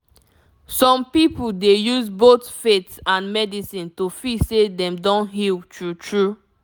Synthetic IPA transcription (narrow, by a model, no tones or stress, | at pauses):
sɔ̃mpipuldejuzbotfetãnmɛdisĩntofisedɛ̃mdɔ̃nɦiltʰɹutʰɹu